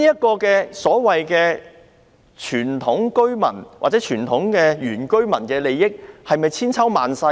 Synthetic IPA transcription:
iː˥jɐ˥t̚kɔː˧kɛː˧sɔː˨˥wɐ˨jkɛː˧ | t͡ʃʰyː˨˩nt̪ʰʊ˨˥ŋkɵ˥ɥmɐ̰˨˩nwa̰ː˨t͡sɛː˨˥t͡ʃʰyː˨˩nt̪ʰʊ˨˥ŋkɛː˧jyː˨˩nkɵ˥ɥmɐ˨˩nkɛː˧le˨jːɪ˥k̚hɐ˨jmɐ˨jt͡sʰiː˥nt͡sʰɐ˥wma̰ː˨nsɐ˧

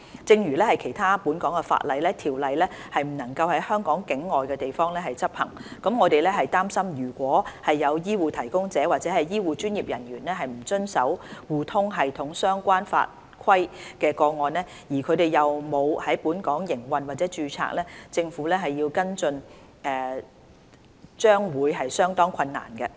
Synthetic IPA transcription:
t͡sɪ˧ŋɥyː˨˩lɛː˥hɐ˨jkʰe˨˩jt̪ʰaː˥puː˨˥nkɔː˨˥ŋkɛ˧fa̰ː˧˥t̚lɐ˨˧jlɛː˥t̪ʰiː˨˩wlɐ˨˧jlɛː˥hɐ˨jm̩˨˩nɐ˨˩ŋkɐ˧whɐ˨˥jhœː˥ŋkɔː˨˥ŋkɪ˨˥ŋːɔː˨jkɛ˧t̪e˨jfɔː˥ŋlɛː˥hɐ˨jt͡sɐ˥p̚hɐ̰˨˩ŋkɐ˨˥mŋɔː˨˧t̪e˨jlɛ˥ɦɐ˨jt̪aː˥msɐ˥mjyː˨˩kʷɔː˨˥hɐ˨jːɐ˨˧wjiː˥wuː˨˧t̪ʰɐ˨˩jkʊ˥ŋt͡sɛː˨˥wa˨t̚t͡sɛː˨˥hɐ˨jjiː˥wuː˨˧t͡ʃyː˥njiː˨p̚jɐ˨˩nɥyː˨˩nɛ˥ɦɐ˨jm̩˨˩t͡sɵ˥nsɐ˨˥wwuː˨˧t̪ʰʊ˥ŋɦɐ˨jt̪ʰʊ˨˩ŋsœː˥ŋkʷaː˥nfa̰ː˧t̚ | kʰɐ˥jkɛː˧kɔː˧ŋɔː˨˧nlɛː˥ | jiː˨˩kʰɵ˨˧t̪e˨jɐ˨wmo˨˧whɐ˨˥jpuː˨˥nkɔː˨˥ŋjɪ˨˩ŋwɐ˨nwaː˨t̚t͡sɛː˨˥t͡ʃyː˨˧t͡sʰa̰ː˧˥k̚lɛ˥t͡sɪ˧ŋfuː˨˥lɛː˥ɦɐ˨jːiː˧wkɐ˥nt͡sɵ˧n | ɛː˨˩ | t͡ʃœː˥ŋwuː˨˧jɦɐ˨jsœː˥ŋt̪ɔː˥ŋkʰɐ˧nːa̰ː˨˩nkɛ˧

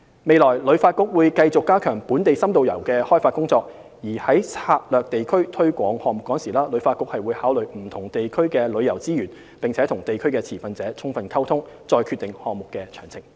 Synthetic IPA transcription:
me˨˧jlɔː˨˩jlɵ˨˧ɥfaː˧t̚kʊ˥k̚wuː˨˧jkɐ˧jt͡sʊ˨kːaː˥kʰœː˨˩ŋpuː˨˥nt̪e˨jsɐ˥mt̪o˨˧wjɐ˨˩wkɛː˧hɔː˥jfaː˧t̚kʊ˥ŋt͡sɔː˧k̚ | jiː˨˩hɐ˨˥jt͡sʰaː˧t̚lœː˨k̚t̪e˨jkʰɵ˥ɥt̪ʰɵ˥ɥkʷɔː˨˧ŋhɔː˨˧ŋmʊ˨kːɔː˨˥ŋsiː˨˩laː˥lɵ˨˥ɥfaː˧tkʊ˥k̚hɐ˨jwuː˨˧jhaː˨˥wlɵ˨ɥm̩˨˩t̪ʰʊ˨˩ŋt̪e˨jkʰɵ˥ɥkɛː˧lɵ˨˧ɥjɐ˨˩wt͡siː˥jyː˨˩n | pɪ˨ŋt͡sʰɛː˨˥t̪ʰʊ˨˩ŋt̪e˨jkʰɵ˥ɥkɛː˧t͡sʰiː˨˩fɐ˨nt͡sɛː˨˥t͡sʰʊ˥ŋfɐ˨˧nkʰɐ˥wt̪ʰʊ˥ŋ | t͡sɔː˧jkʰyː˧t̪ɪ˨ŋhɔː˨ŋmʊ˨kːɛː˧t͡ʃʰœː˨˩ŋt͡sʰɪ˨˩ŋ

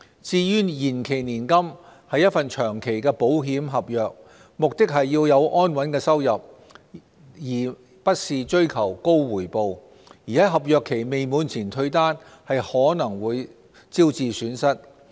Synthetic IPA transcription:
t͡siː˧jyː˥jiː˨˩nkʰe˨˩jniː˨˩nkɐ˥mhɐ˨˧jɐ˥t̚fɐ˨nt͡ʃʰœː˨˩ŋkʰe˨˩jkɛː˧po˨˥wɦiː˨˥mɦɐ˨p̚jœː˨˧k̚ | mʊ˨k̚t̪ɪ˥k̚hɐ˨jːiː˧wjɐ˨˧wʔɔː˥nwɐ˨˥nkɛː˧sɐ˥wjɐ˨p̚ | jiː˨˩ | pɐ˥t̚siː˨t͡ʃɵ˥ɥkʰɐ˨˩wko˥wwuː˨˩jpo˨w | jiː˨˩hɐ˨˥jɦɐ˨p̚jœː˨˧kʰːe˨˩jme˨jmuː˨˧nt͡sʰiː˨˩nt̪ʰɵ˧ɥt̪aː˥n | hɐ˨jhɔː˨˥nɐ˨˩ŋwuː˨˧j | t͡siː˥wt͡siː˨˧syː˨˥nsɐ˥t̚

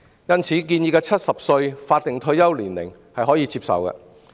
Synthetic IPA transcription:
jɐ˥nt͡sʰiː˨˥k̬iː˧njiː˨˧kɛː˧t͡sʰɐ˥t̚sɐ˨p̚sɵ˧ɥfaː˧t̚t̪ɪ˨ŋt̪ʰɵ˧ɥjɐ˥wliː˨˩nlɪ̰˨˩ŋ | hɐ˨jɦɔː˨˥jiː˨˧t͡siː˧p̚sɐ̰˨wkɛ̰˧

